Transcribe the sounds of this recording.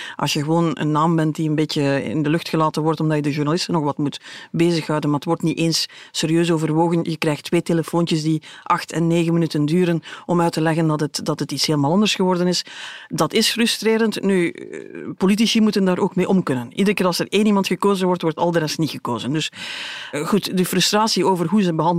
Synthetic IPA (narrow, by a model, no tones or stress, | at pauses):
ʔɑ̰sjəɣəʋoːnə̰nːaːmbɛnt̚diənbeːcəɪ̰ɪ̰ndəlʏxtxəlaːtənʋɔrtɔmdɑjədəʒurnalɪstənːɔxʋɑtmutbeːzəxɦɑwdənmaːətʋɔrtniʔeːnsseːɾiøːsoːvərʋoːɣənjəkrɛjxtʋeːteləfoːnt͡ʃəsdiʔɑxtʰɛnːeːɣənmənytəndyːɾənɔmœːɥtəlɛɣəndɑtətdɑtətitsheːlˠmaːlˠɑndərsxəʋɔrdənɪsdɑtɪsfrʏstreːɾəntny | polit̬isimutəndaːɾoːkmeːʔɔmkɵnənidərkeːɾɑlˠsəreːnimɑntxəkoːzənʋɔrtʋɔrtɑ̰lˠdəɾɛsnitxəkoːzəndɵs | ɣutdəfrʏstraːsioːvərɦuzəbəɦɑn